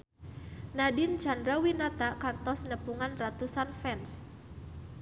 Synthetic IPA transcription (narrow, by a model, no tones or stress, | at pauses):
nadin̥d͡ʒa̤ndɾawinat̪akant̪ɔsnəpuŋanrat̪usanfɛns